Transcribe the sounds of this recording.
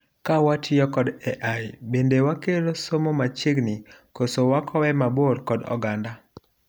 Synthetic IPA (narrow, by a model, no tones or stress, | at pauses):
kawatʰɪɔkɔdɛʔajbendewakeɾosomomat͡ʃiɡnikosowakʰɔwɛmaboɾkɔdɔ̰ɡanda